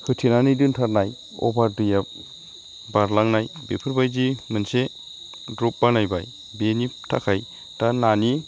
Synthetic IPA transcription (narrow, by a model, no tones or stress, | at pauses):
hɯtʰinanidɯntʰaɾnaj | ɔ̰baɾdɯjap̚ | baɾlaŋnajbepʰɯɾbajd͡ʒimɯnse | dɾɔp̚banajba̰j | beniptʰa̰kʰaj | tanani